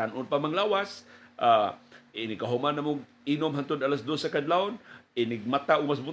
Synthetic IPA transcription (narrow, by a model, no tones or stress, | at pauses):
anʔʊnpamaŋlaːwasʔaɪnɪɡkaɦʊmanamʊɡ̚ | inomɦant̪ʊd̪alasd̪osakad̪laʊnɪnɪɡ̚mat̪aʔʊɡ̚mas̬bʊ